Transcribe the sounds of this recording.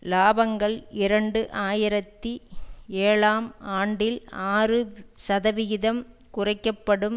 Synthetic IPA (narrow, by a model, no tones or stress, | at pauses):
laːbɐŋɡɐɭɪɾɐɳɖɯʔaːjɪɾɐt̪ːieːɭaːmaːɳɖɪlaːrɯsɐðɐʋɪɣɪðɐm | kʊrɐɪkːɐpːɐɽɯm